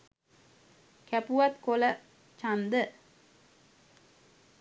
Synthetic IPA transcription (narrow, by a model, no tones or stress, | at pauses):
kæpuʋat̪kolə | t͡ʃand̪ə